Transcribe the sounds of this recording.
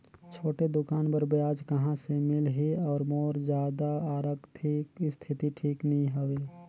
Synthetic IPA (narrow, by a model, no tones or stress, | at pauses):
t͡ʃʰoːʈed̪ʊkaːnbəɾbjaːd͡ʒkəɦãsemɪlɦiɔːɾmɔːɾd͡ʒjaːd̪aaːɾəkt̪ʰikist̪ʰɪt̪iʈʰiːknɐɦĩɦoʋeː